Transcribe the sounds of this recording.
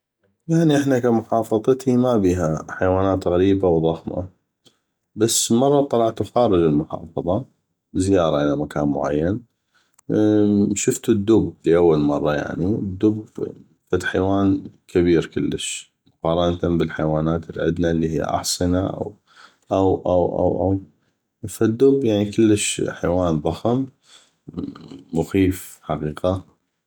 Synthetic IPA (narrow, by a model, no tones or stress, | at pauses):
jaʕniʔɪħnakamʊħɑːfɑðˤɨt̪ʰimabiːɦaħajwaːnaːt̪ɣaɾiːbawðˤɑxma̰ | basːmɑrˤːɑt̪ˤːɑlɑʕt̪xaːɾˤɨd͡ʒɪlmʊħɑ̰ːfɑðˤɑ | zɪjɑːɾˤɑʔɪlamakʰa̰ːnmʊ̰ʕa̰jːan | ʃʊft̪ʊd̪ːʊbliʔawːalmɑrˤːɑja̰ʕnid̪ːʊb | fat̪ħajwaːnkʰɪβiːɾkəlːəʃ | mʊqɑːɾˤɑnt̪ambəlħajwaːnaːt̪ɪlʕɪd̪nalːihijːa̰ʔɑ̰ħsˤɨnaʔa̰w | ʔawʔawʔa̰wʔa̰w | fad̪ːʊbjaʕnikəlːəʃħajwaːnðˤɑxəm | mʊxiːfħaqiːqa